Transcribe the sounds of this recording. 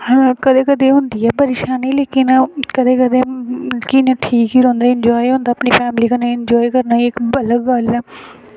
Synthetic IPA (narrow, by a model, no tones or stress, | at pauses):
kəd̪eːkəd̪eːɦʊ̃nd̪iːɛːpəɾeːʃaːniːleːkɪnkəd̪eːkəd̪eːkɪneʈʰiːkɦiːɾõːnd̪aːɪɲd͡ʒɔːiɦõːnd̪aːəpniːpʰɛːmliːkəneɪɲd͡ʒɔːikəɾnaːiːɪkbələɡːəlɛː